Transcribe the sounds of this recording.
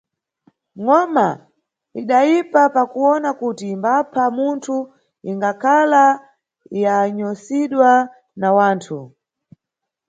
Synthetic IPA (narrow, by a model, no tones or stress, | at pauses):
ŋɔma | iɗajipapakuɔnakutimbapʰamuntʰu | iŋɡakʰala | jaɲɔsiɗwa | nawaːntʰu